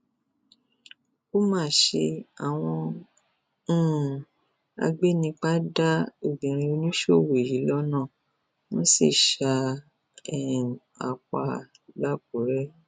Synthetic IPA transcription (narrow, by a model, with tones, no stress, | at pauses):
o˦mãː˦˨ʃe˧a˨w̃ɔ̃˧˦˨ | a̰˧ɡ͡be˦nĩ˧k͡pa˦da˦o˦˨ɡ͡bĩ˨ɾ̃ĩ˧o˧nĩ˦ʃo˦˨we˨ji˨˦lɔ˦nã˦˨ | mɔ̃˦sḭ˦˨ʃa˧ | ɛ˨ | a̰˨k͡pa˧ | la˦˨b̚o˨˦ɾɛ˦